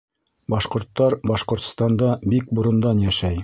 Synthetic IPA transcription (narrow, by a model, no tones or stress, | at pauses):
bɑʃqŏɾt̪ːɑɾbɑʃqŏɾt̪̆st̪ɑnd̪ɑbik̚buɾɤ̆nd̪ɑnjæʃæj